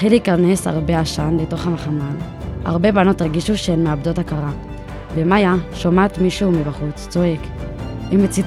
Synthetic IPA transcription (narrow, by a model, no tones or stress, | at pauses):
χiliiːkane̞sha̰ʁbe̞aʃanbeto̞χhameχamal | a̰ʁbe̞bano̞tʁeɡiʃuʃemeabdo̞takaʁa | bemajaʃomatmiʃumibaχut͡st͡so̞e̞k | imet͡sit